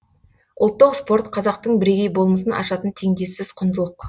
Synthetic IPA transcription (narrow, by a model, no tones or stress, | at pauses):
ʔʊlˠt̪ːəqspo̞ɾt̪qʰɑzɑq̚t̪əɴbɪɾe̞ɡʲe̞jbo̞lˠməsənʔɑ̰ʃɑt̪ənt̪ʰe̞ŋd̪e̞sɪzqʰʊnd̪əlˠəq